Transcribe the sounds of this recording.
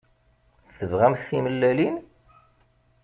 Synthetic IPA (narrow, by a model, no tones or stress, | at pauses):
θəvʁæmθiməlːælin